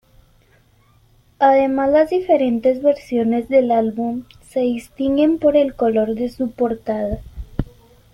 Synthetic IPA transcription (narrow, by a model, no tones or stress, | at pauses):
aðe̞mazlazðife̞ɾe̞nt̪e̞zβe̞ɾsjo̞ne̞zðe̞lalβum | se̞ðist̪iŋɡe̞mpo̞ɾe̞lko̞lo̞ɾðe̞supo̞ɾt̪aða